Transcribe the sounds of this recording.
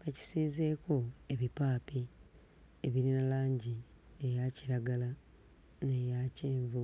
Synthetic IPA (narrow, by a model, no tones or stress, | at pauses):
keci̥siːze̞ːko̞e̞βipaːpi | eβiɾinalaːɲɟi | ejaciɾaɡala | nejaceːɱvu